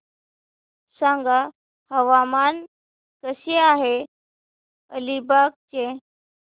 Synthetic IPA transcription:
sãŋɡa | həʋaman | kəɕeaɦe | ə̰libak̚t͡ɕe

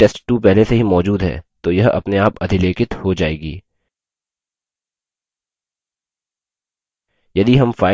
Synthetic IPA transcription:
ʈeːsʈʈːupɛɦleseɦimɔːd͡ʒuːd̪ɦɛ̰ːt̪ojɐɦɐ̰pneaːpɐd̪ʱɪleːkɪt̪hod͡ʒaːeːɡḭː | jɐd̪iɦɐmfaːɪ

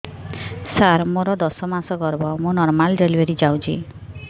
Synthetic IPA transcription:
saɾmoɾɔd̪ɔsɔmãsɔɡɔɾbɔmonɔɾmalɖelweɾid͡ʒawd͡ʒḭ

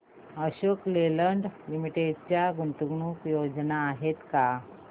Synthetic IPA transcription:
əɕokleləɳɖlimiʈeɖt͡ɕjaɡunt̪uɡɳuːkjod͡znaːɦet̪ka

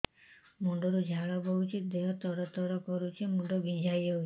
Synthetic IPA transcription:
muɳɖɔɾud͡ʒʱaɭɔbɔut͡ʃʰid̪eɦɔt̪ɔɽɔt̪ɔɾɔkɔɾut͡ʃʰimuɳɖɔbid͡ʒʱajɔu

